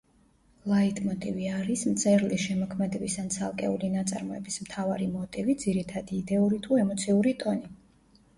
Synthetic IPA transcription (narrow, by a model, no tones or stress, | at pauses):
lˠait̪ʼmɔt̪ʼiviaɾismt̪sʼɛɾliʃɛmɔkʰmɛd̪ɛbisant̪sʰalˠkʼɛ̰ulinat̪sʼa̰ɾmɔɛbismt̪ʰavaɾimɔt̪ʼivid̪ziɾit̪ʰad̪iːd̪ɛuɾit̪ʰuɛmɔt̪sʰiuɾit̪ʼɔni